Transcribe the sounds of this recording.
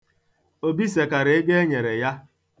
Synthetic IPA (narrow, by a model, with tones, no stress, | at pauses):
o˦bi˦se˨ka˨ɾe˨˦e˦ɡe˦e˦ɲe˨ɾe˨ja˦